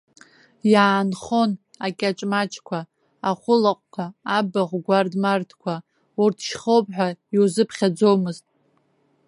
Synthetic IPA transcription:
jaːnχo̞n | akʲʼat͡ʃʼmat͡ʃʰʼkʷʰaː | χʷʊlaqʷʼkʷʰaːbaʁʷɡʷardmartʰkʷʰa | urtʰʃχowpʼħʷᶣaiwzɨpʰχʲad͡zo̞wmɨztʼ

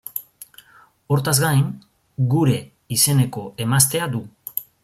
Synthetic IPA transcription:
o̞ɾt̪azɡajŋ | ɡuɾe̞ | ise̞ne̞ko̞e̞mast̪e̞ad̪u

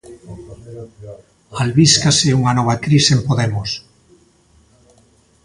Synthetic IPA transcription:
alβiskaseuŋanɔβ̞akɾisempoðemos

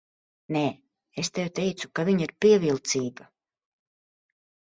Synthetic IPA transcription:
neː | est̪ewt̪ejt̪sukaviɲiɾpiɛvilˠt̪siːɡa

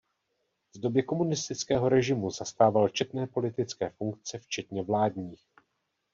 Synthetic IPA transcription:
vdo̞bjɛko̞munɪst̪ɪt͡skɛːɦo̞ɾɛʒɪmuzast̪aːvalt͡ʃɛt̪nɛːpo̞lɪt̪ɪt͡skɛːfuŋkt͡sɛft͡ʃɛt̪ɲɛvlaːdɲiːx

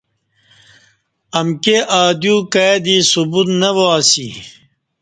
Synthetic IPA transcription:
ɐmkeʔaːd̪jukaed̪iːsubut̪nɐʋoaːsḭ

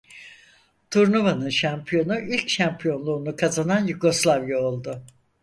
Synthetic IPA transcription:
t̪ʰuɾnuvanɯnʃampʰijo̞nuʔilʲcʃampʰijo̞nlˠuːnukʰazananjuɡo̞slˠavjaolˠd̪ʊ

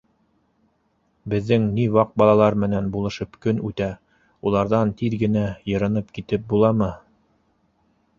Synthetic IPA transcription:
bɘ̆ðːɘŋniwɑq̚bɑlˠɑlˠɑɾmɘ̆nænbulˠɤ̆ʃɤpkɵnʉt̪æ | ulˠɑɾðɑnt̪iɾɡɘ̆næjɤ̆ɾɤ̆nɤpkit̪ɘp̚bulˠɑmɤ

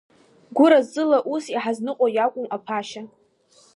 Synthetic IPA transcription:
ɡʷʊɾazːɨlaʔusiħaznɨqʼojakʷʼʊmapʰaʃa

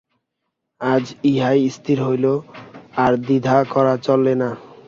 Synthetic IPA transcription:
ad͡ʑiɦajist̪ʰiɾɦojloaɾd̪id̪ʱakɔɾat͡ɕolːena

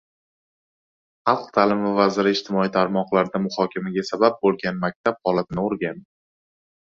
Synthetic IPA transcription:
χɑlˠqt̪ʰalɪmvavazɪɾɪɪʃt̪ʰɪmɒit̪ʰaɾmɒqlˠaɾd̪amʊhɒkʲʰamaɡʲasabab̚bolˠɡʲanmak̚ʲt̪ʰap̚hɒlat̪ʰɪnɪoɾɡʲan

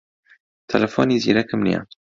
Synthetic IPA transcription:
t̪ʰɐlɐfoːniːzḭːɾɐkɨmnḭja̰

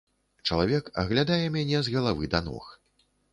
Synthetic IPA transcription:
t͡ʂɐlˠavʲɛkɐ̰ɣlʲad̪ajɛmʲanʲɛzɣɐlˠavɨd̪anɔ̰x

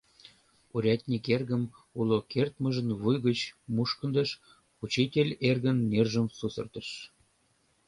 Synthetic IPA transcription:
uɾʲɑt̪ʲnʲikerɣəmulokert̪mə̆ʒə̆nβujɣət͡ɕmuʃkə̆nd̪ə̆ʃ | ut͡ɕitʲelʲerɣənːerʒəmsusɤ̰̆rt̪ə̆ʃ

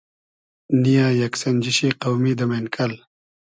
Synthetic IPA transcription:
nijãːjɐksɐnd͡ʑiɕiːqawmid̪ɐmenkʰɐl

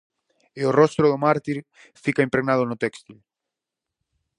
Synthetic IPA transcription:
eorɔst̪ɾʊðʊmaɾt̪iɾ | fikaempɾeɣnað̞ʊnʊt̪ɛkst̪il

